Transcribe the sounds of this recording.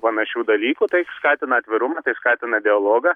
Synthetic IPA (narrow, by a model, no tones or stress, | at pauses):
pɐnɐʃʲuːd̪ɐlʲiːkuːt̪ɐɪskɑːt̪ʲɪnɐːɐt̪ʲʋʲɪɾʊmɐt̪ɐɪskɑːt̪ʲɪnɐd̪ʲɪɐlˠoːɡɐ